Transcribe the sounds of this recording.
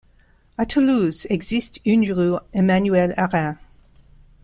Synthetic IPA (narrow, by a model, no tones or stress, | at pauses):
atʰəluzɛɡzistynyʁuemanyɛlaʁɛ̃